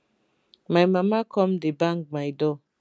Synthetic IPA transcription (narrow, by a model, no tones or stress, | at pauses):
majmamakɔmdebaŋɡ͡bajdɔ